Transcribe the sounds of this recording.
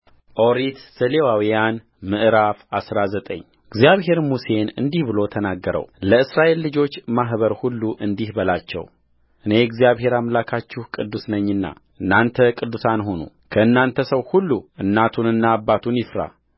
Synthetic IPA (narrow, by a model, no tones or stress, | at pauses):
ʔoɾit̪səlewawijan | mɨʔɾafasɾazət̪ʼə̰ɲː | ɨɡzjaβɦe̞ɾmuse̞nɨ̰nd̪ihbɨlo̞t̪ʰənaɡːəɾə̰wləɨsɾaʔe̞lːɨd͡ʒo̞t͡ʃːmaɦβəɾhulːuʔɨnd̪ihbəlat͡ʃːɛ̰w | ʔɨne̞ɛɡzijaβɦe̞ɾamlakʰat͡ʃːɪhkʼɨd̪ːusnəɲːɨnːa̰ | ʔɨnːant̪ʰəkʼɨd̪ːusanɦonṵ | kʰəɨnːant̪ʰəsəwhulːuɨnːat̪ʰunɨnːaːbːat̪ʰunjɪfɾa̰